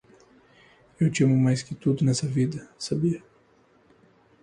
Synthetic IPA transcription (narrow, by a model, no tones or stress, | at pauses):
ewt͡ʃimʊmajskɪt̪ud̪ʊnɛsɐvid̪ɐsabiɐ